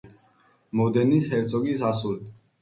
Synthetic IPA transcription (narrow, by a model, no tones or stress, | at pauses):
mɔd̪ɛnishɛɾt̪sʰɔkisasuli